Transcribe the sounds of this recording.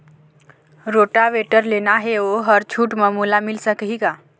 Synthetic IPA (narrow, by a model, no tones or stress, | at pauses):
ɾoːʈaʋeʈəɾlenaɦeoɦəɾt͡ʃʰuːʈməmuːlamɪlsəkɦiɡa